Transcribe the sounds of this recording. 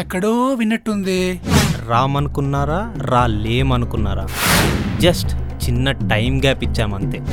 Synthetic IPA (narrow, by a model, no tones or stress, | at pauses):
ɐkːɐɽoːʋinːɐʈːund̪iɾaːmɐnukunːaːɾaːɾaːleːmɐnukunːaːɾa̰ːd͡ʒɐsʈt͡ʃinːɐʈɐjmɡaːpit͡ʃːaːmɐnt̪eː